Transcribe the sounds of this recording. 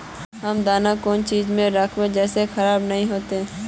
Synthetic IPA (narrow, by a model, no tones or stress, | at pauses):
ɦɐmd̪aːnakoːnt͡ʃiːzmẽɾakʰmẽd͡ʒɛːsexɐɾaːbnɐɦĩɦoːt̪eɦɛ̃ː